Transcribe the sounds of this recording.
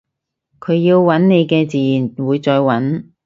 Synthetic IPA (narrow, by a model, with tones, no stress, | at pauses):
kʰɵ˨˧ɥjiː˧wwɐ˨˥nne˨˧jkɛː˧t͡siː˨˧ji˨˩nwuː˨˧jt͡sɔː˧jwɐ˨˥n